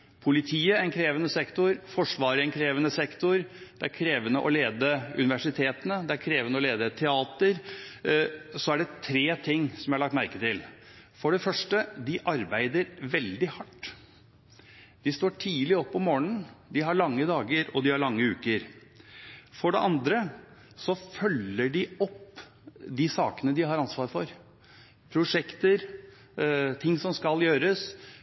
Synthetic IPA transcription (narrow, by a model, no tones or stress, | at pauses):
pʰʊlɪt̪ʰiːəɛnkʰɾeːʋənəsɛkt̪ʊɾfɔʂʋɑːɾəɛnkʰɾeːʋənəsɛkt̪ʊɾd̪̥ɛæɾkʰɾeːʋənəʔɔleːd̪əʉnɪʋæʂɪt̪ʰeːt̪ənəd̪ɛæɾkʰɾeːʋənəɔleːd̪ət̪ʰɛɑːt̪əɾ | sɔæɖɛt̪ʰɾeːt̪ʰɪŋːsɔmjæɪhɑlɑk̚t̪mæɾkət̪ɪlfɔɖɛfœʂʈəd̪ɪʔɑɾbæɪd̪əɾʋɛld̪ɪhɑʈː | d̪̥ɪst̪oːʈʰiːlɪɔpːɔmoːnn̩d̪ɪɦɑɾɭɑŋːəd̪ɑːɡəɾɔd̪ɪhɑɭɑŋːəʉːkəɾ | fɔɖɛ̰ʔɑnd̪ɾə | sɔfœlːəɖɪɔpː | d̪ɪsɑːkənəd̪ɪhɑɾɑnsʋɑːɾfɔɾ | pʰɾʊʂɛkt̪əɾ | t̪ʰɪŋːsɔmskɑljøːɾəs